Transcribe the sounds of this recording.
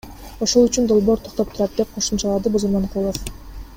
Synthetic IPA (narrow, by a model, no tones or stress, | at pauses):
o̞ʃo̞lˠyt͡ʃynd̪o̞lˠbo̞ɾt̪ʰo̞q̚t̪o̞p̚t̪ʰuɾɑt̪̚d̪e̞p̚qʰo̞ʃumt͡ʃɑlˠɑd̪ɯbuzuɾmɑnqʰulˠof